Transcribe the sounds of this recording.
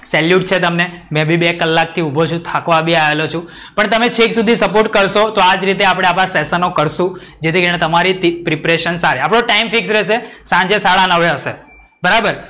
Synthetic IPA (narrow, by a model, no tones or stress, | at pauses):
sɛljuʈt͡ʃʰet̪əmne | mɛ̃bʱibekəlːak̚t̪ʰiubʱot͡ʃʰũt̪ʰakʋabʱiaʋelot͡ʃʰũ | pəɳt̪əmet͡ʃʰeksud̪ʱisəpoɾʈkəɾʃot̪oad͡ʒɾit̪̬eapɽ̃eapãsɛsənokəɾʃũd͡ʒet̪ʰikəɾinẽt̪əmaɾit̪ipɾipɾeʃənsaɾiapɽ̃õʈaimfɪksɾɛʃesãɲd͡ʒesaɭanəʋeɦəʃḛ | bəɾabəɾ